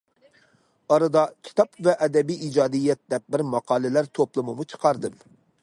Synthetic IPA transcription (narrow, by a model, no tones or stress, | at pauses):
ɑɾɨd̪ɑkʲʰi̥t̪ʰɑpvɛʔɛd̪ɛbijid͡ʒɑːd̪ijːɛt̪̚d̪ɛp̚bɪɾmɑqʰɑːlˠɪlæɾt̪ʰoplˠɨmɨmut͡ʃʰə̥qʰɑɾd̪ɨm